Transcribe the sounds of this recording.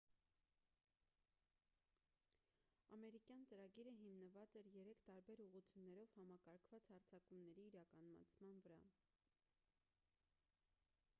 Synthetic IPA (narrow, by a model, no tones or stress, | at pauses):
ɑmɛɾikjɑnt͡səɾɑɡiɾəɦimnəvɑt͡sɛɾjɛɾɛkʰt̪ɑɾbɛɾuʁut͡sʰjunːɛɾɔv̥hɑmɑkɑɾkʰv̥ɑt͡shɑɾt͡sʰɑkumnɛɾiːɾɑkɑnmɑ̰t͡sʰmɑnvəɾɑ̰